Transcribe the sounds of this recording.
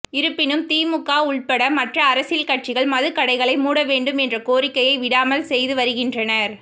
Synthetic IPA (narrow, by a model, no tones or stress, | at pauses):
ɪɾɯpːɪnɯmt̪iːmɯkːaːʊɭpɐɽɐmɐʈrɐːɾɐsɪlkɐʈ̚t͡ʃɪɣɐɭmɐðɯkːɐɽɐɪɣɐɭɐɪmuːɽɐʋeːɳɖɯmɛndrɐkoːrɪkːɐjɐɪʋɪɽaːmɐlsɛjðɯʋɐɾɯɣɪndrɐnɐɾ